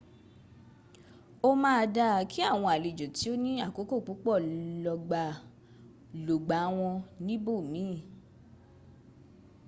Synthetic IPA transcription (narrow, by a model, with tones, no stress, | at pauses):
o˦mãː˦a˧da˧kʰi˦a˦˨w̃ɔ̃˧a˨le˨d͡ʒo˨ti˨˦o˦nĩ˦a˦˨ko˨˦ko˦˨k͡pu˨˦k͡pɔ˦˨lɔ˧ɡ͡ba˧˨ | lo˨ɡ͡ba˨˦w̃ɔ̃˧nĩ˦bo˦˨mĩ˨˦˨